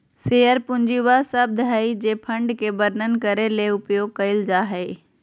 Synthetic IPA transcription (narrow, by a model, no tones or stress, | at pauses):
seːjəɾpʊ̃ɲd͡ʑiʋasəb̚d̪ɦəid͡ʑeːpʰɐ̃ɳɖkʰeːbɐɾnənɪ̆kɐɾeleːʊpjoːɡ̚kɐɪld͡ʑaːɦeː